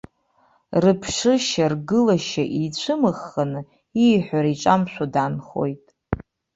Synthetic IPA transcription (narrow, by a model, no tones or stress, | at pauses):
rɨpʰʂɨʃarɡɨlaʃaʔit͡ɕʷʰɨmɨχːanɨ | ijħʷᶣaɾiʈ͡ʂʼamʃʷʰadanχo̞̰jtʼ